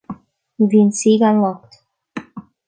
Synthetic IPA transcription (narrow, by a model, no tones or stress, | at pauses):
vinsiɡanlɔkt